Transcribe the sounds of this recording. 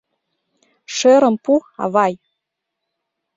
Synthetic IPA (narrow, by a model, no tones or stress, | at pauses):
ʃeɾɤ̆mpuɑ̰βɑj